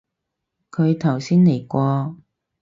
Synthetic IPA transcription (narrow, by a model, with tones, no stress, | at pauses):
kʰɵ˨˧ɥt̪ʰɐ˨˩wsiː˥nle˨˩jkʷɔː˧